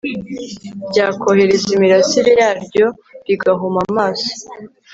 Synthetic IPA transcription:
bɟaːkʰo̞he̞ɾe̞zimiɾasiɾejaːɾɟo̞ | ɾiɡaɦomamaːso̥

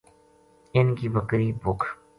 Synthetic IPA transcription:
ɪnkibəkɾibʊkʰ

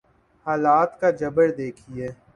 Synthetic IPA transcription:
haːlaːt̪kad͡ʒɐbəɽd̪eːkʰiɦɛː

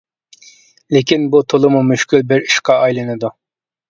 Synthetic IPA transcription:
lɪkʲinbut̪ʰolˠɨmumyʃkʲylbɪɾi̥ʃqɑɑjlˠɨnɨd̪u

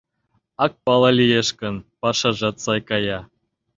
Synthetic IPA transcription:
ɑk̚pɑlˠɑlʲijeʃkə̆npɑʃɑʒɑt̪sɑjkɑjɑ

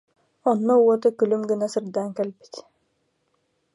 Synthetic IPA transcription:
ɔnːɔɔt̪ɯkylymɡɯnasɯɾd̪aːŋkɛlbi̥t̪

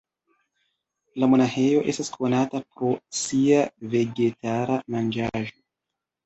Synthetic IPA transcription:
lamonaxe̞jo̞ʔe̞staskʰo̞natapɾo̞siave̞ɡe̞taɾamand͡ʒaʒo̞

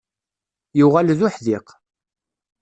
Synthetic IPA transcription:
juʁælðʊħðiq

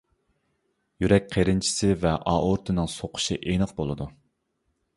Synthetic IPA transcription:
jyɾɛk̚ʲqʰeɾɪnt͡ʃʰi̥sɪvɛʔɑːʔoɾt̪ʰɨnɨŋsoqʰʊ̥ʃḭʔenəqbolˠɨd̪u

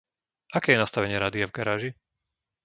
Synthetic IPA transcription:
ʔakɛːjɛnast̪aʋɛɲɪɛɾaːd̪iavɡaɾaːʒi

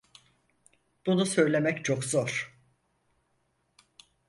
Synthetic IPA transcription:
b̥unusøjlʲe̞mɛct͡ʃʰokzoɾ̥

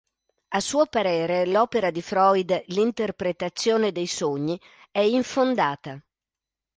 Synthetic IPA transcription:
asːuːopaɾeːɾelɔːpeɾad̪ifɾɔjd̪lint̪erpɾet̪at̪sːjoːned̪ejsoɲːi | ɛiɱfond̪aːt̪a

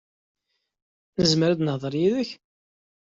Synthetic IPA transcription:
nəzməɾad̪nəhðˤəɾˤjiðəç

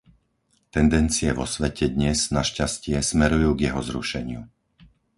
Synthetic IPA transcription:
t̪ɛnd̪ɛnt͡siɛʋɔsʋɛcɛd̪ɲɛznaʃcascɪɛsmɛɾujuːɡjɛɦɔzɾṵʃɛɲɪṵ

